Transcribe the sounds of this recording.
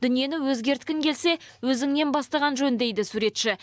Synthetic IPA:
d̪̥ʏnije̞nɪwɵzɡʲe̞ɾt̪kʲɪŋkʲʰe̞lse̞wɵzɪŋne̞nbɑst̪ɑʁɑnʒɵnd̪e̞jd̪ɪsuɾe̞t̪ʃɪ

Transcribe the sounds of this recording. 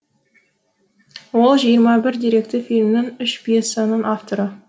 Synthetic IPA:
wo̞lˠʒijəɾmɑbɪɾd̪iɾe̞k̚t̪ɪfilʲmɪnɪŋʏʃbesɑnəɴʔaft̪oɾə

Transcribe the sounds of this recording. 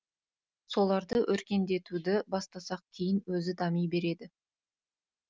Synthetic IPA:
so̞lˠɑɾd̪əʔɵɾkʲe̞nd̪e̞t̪ud̪ɪbɑst̪ɑsɑq̚kʲʰejɪnwɵzɪd̪ɑmijbe̞ɾe̞d̪ɪ

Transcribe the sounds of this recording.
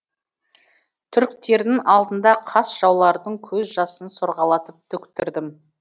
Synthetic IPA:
t̪ʰʏɾkt̪e̞ɾd̪ɪŋɑlˠd̪ənd̪ɑqʰɑsʒ̥ɑwlˠɑɾd̪əɴkʲʰɵzʒɑsənsoɾʁɑlˠɑt̪əp̚t̪ʰɵkt̪ɪɾd̪ɪm

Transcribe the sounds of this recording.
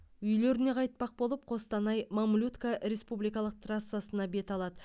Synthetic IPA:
ʏjle̞ɾɪne̞qʰɑjt̪̚pɑq̚bo̞lˠəp̚qʰo̞st̪ɑnɑjmamlʲut̪kaɾe̞spublijkɑlˠəq̚t̪ʰrasːasənɑbe̞t̪ɑlˠɑd̪ə

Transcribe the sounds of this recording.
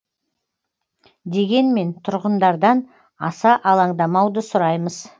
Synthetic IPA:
d̪e̞ɡʲe̞nme̞nt̪ʰʊɾʁənd̪ɑɾd̪ɑn | ɑsɑʔɑlˠɑɴd̪ɑmɑwd̪əsʊɾɑjməz

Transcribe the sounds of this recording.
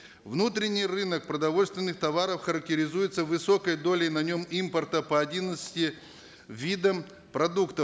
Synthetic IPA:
vnut̪ɾʲɪnʲːɪjrɨnək̚pɾəd̪ɐvo̞lʲst̪vʲɪnːɨxt̪ɐvaɾəfxəɾək̚tʲɪɾʲɪzujɪt̪səvɨso̞kəjd̪o̞lʲɪjnɐnʲo̞mimpərt̪əpɐɐdʲinət̪sɨ̥tʲɪ | vʲid̪əm | pɾɐd̪ukt̪əf

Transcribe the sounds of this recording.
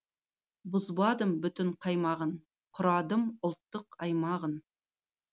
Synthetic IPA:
bʊzbɑd̪əmbʏt̪ɪɴqʰɑjmɑʁən | qʰʊɾɑd̪əmʊlˠt̪ːəqɑjmɑʁən

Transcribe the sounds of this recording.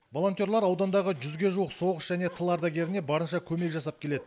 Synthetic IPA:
vo̞lˠo̞nt̪jo̞ɾlˠɑɾɑwd̪ɑnd̪ɑʁəʒʏzɡʲe̞ʒuwəqso̞ʁəsʒæne̞t̪ʰəlˠɑɾd̪ɑɡʲe̞ɾɪne̞bɑɾənʃɑkʲʰɵme̞kʒɑsɑp̚kʲʰe̞le̞d̪ɪ

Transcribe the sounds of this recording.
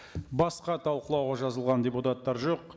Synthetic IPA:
bɑsqɑt̪ʰɑlˠqəlˠɑwʁɑʒɑzəlˠʁɑndʲeput̪at̪ːɑɾʒo̞q̚

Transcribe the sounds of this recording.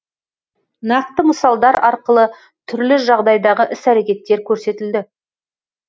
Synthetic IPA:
nɑq̚t̪əməsɑlˠd̪ɑɾɑɾqəlˠə | t̪ʰʏɾlɪʒɑʁd̪ɑjd̪ɑʁəʔɪsæɾe̞kʲe̞t̪ːe̞ɾkʲʰɵɾse̞t̪ɪld̪ɪ

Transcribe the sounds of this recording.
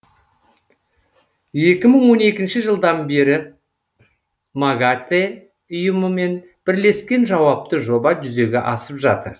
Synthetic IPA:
je̞kʲɪməɴwo̞ne̞kʲɪnʃɪʒəlˠd̪ɑnbe̞ɾɪ | maɡat̪e | ʊjəməme̞n | b̥ɪɾle̞skʲe̞nʒɑwɑp̚t̪əʒo̞bɑʒʏze̞ɡʲeʔɑsəpʒɑt̪əɾ

